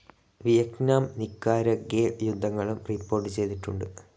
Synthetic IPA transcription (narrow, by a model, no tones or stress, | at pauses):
ʋijɐknaːmnikːaːɾɐɡeːjud̪ʱːɐŋːɐɭumripːo̞ːrʈːɨt͡ɕe̞jd̪iʈːuɳɖɨ